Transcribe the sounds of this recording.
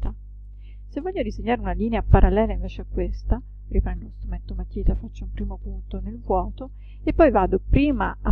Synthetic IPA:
t̪a | sevːɔʎːod̪izeɲːaːɾeunaliːneapaɾʔalːɛːlaiɱvɛːt͡ʃeakːwest̪a | ripɾɛnd̪olost̪ɾumɛnt̪omak̪jiːt̪afat͡ʃːaumpɾiːmopunt̪onelvwɔːt̪o | epːɔjvaːd̪opɾiːmaa

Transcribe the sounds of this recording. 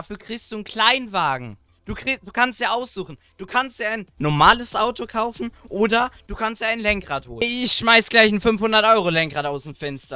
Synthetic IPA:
afyːɐkʁ̥ɪːçstd̥uːnkʰl̥aɪnvaːɡŋ̩ | d̥uːkʁ̥id̥uːkʰanstd̥jaːʔaʊsz̥uːχn̩ | d̥uːkʰanstjaːaɪnːɔɐmaːləsʔaʊtʰokʰaʊfn̩ʔoːdɐd̥uːkʰanstjaːaɪnlɛŋkʁ̥aːthoːlɪçʃmaɪsəɡ̥laɪçnfʏnfhʊndɐtʔɔʏʁ̞olɛŋkʁaːtaʊsm̩fɛnstɐ

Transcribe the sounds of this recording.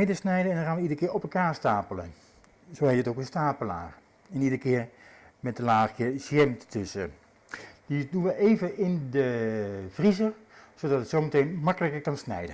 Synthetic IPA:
edəsnɛjdənɛndɔnxaːnʋəidərəkɪːɹɔpɛlˠkaːɹstaːpələn | zoːheːtətokənstaːpəla̰ːx | ɛnidərəkɪːərmɛt̚dəlaːxkɪəɹsjɛmttʏsə | didunʋəʔeːvəʔɪndəfrizər | sodɑtətsowmətejnmɑkələkəɹkɔnsnɛ̰jdə

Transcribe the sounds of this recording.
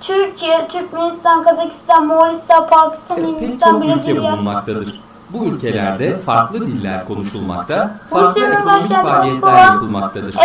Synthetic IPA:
t̪ʰyɾcʰijɛt̪ʰyɾcmenist̪ʰankʰazacʰi̥st̪ʰanmoɾist̪apʰaːci̥st̪ʰanind̪ist̪ʰanbiled̪bijamak̚t̪ʰad̪ɯɾ̥ | buylʲcʰe̞lʲæ̰ɾd̪ɛfaɾklˠɯd̪ilʲːæ̰ɾkʰo̞nuʃulˠma̰kt̪ʰaɾusijanɯnbaʃkanmkovaulˠma̰kt̪ʰad̪ɯɾ

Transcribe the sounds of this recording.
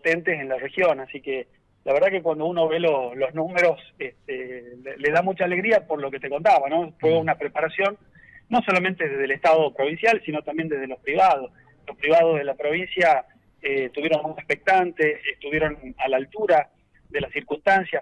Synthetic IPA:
pot̪ent̪es̬e̞nlare̞xjo̞nasike | lʔaβeɾð̞akekwand̪ouno̞βe̞lolo̞znũmeɾo̞seht̪eleleðamut͡ʃaːle̞ɣɾiapoɾlo̞ket̪eko̞nt̪aβano̞fweunapɾe̞paɾasjo̞nː | o̞so̞lament̪eðeɦðelest̪að̞o̞pɾo̞βinsjalsino̞t̪ambje̞nd̪e̞ɦð̞elohpɾiβað̞o̞s | lospɾiβað̞ozð̞e̞lapɾo̞βinsja | et̪uβjeɾo̞nuehpek̚t̪ant̪eest̪uβjeɾo̞nalaːlt̪uɾa | ðe̞lasiɾkunst̪ansja

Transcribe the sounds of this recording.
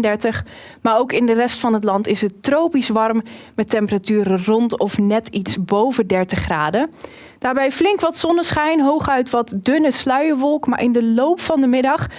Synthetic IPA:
ndɛɹtəχ | maːɹowkɪndərɛstfɑnɦətlɑntɪsətrowpisʋɑrmmɛtɛmpəratyːɾərɔntɔfnɛtitsbowvədɛɹtəχraːdə | d̥aːɹbɛjflɪŋkʋɑtsɔnəsχɛjnɦowχœɥtʋɑtdʏnəslœɥəɹʋɔlˠkma̰ːɹʔɪ̰ndəlowpfɑndəmɪdɑχ

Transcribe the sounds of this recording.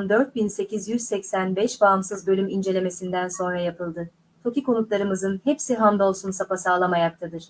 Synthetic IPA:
nd̪ø̞ɾt̪̚binse̞cʰizjyzsɛcsænbɛʃbaːmsɯzbø̞lʲymind͡ʒe̞lʲe̞me̞sind̪ænso̞nɾajapɯlˠd̪ɯ | t̪ʰo̞ciko̞nut̪lˠaɾɯmɯzɯnhɛpsiɦand̪o̞lˠsunsapasaːlˠamajak̚t̪ʰad̪ɯɾ̥

